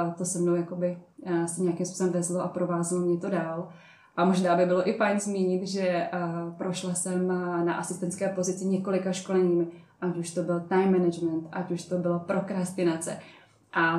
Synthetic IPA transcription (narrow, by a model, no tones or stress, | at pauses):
t̪osɛmnowjakobɪsɛɲɛakimspu̥ːsɛmvɛzloʔapɾo̞vaːzɛlomɲɛt̪o̞daːl | ʔamo̞ʒnaːbɪbɪlo̞ʔɪfajnzmiːɲɪt̪ʒɛpɾoʃlasɛmnaʔasɪst̪ɛntt͡skɛːpo̞zɪt͡sɪɲɛko̞lɪkaʃko̞lɛɲiːmɪʔacuʃt̪o̞bɪlt̪ajmːɛnɛd͡ʒmɛnt̪ʔacuʃt̪obɪlopɾo̞kɾast̪ɪnat͡sɛ̰ | ʔa